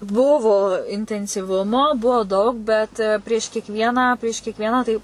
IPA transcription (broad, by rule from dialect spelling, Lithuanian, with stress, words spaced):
ˈbʊʋoː ɪnʲtʲɛnʲsʲiːˈʋʊmoː ˈbuɔ ˈdɐʊk ˈbʲɛt pʲrʲiɛʃ kʲiɛkˈʋʲiɛnɑː pʲrʲiɛʃ kʲiɛkˈʋʲiɛnɑː tɐɪ